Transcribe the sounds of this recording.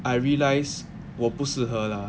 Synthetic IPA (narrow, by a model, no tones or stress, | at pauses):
ajɹiəlajs | wɔpusəɦəla